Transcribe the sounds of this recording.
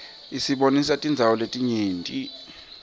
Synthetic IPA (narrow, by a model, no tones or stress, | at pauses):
isiɓonisatʼind͡zʱawɔletʼiɲeːntʼi